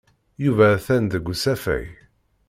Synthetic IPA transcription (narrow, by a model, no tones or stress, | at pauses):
juvæθænðəɡʷːusæfæ̰j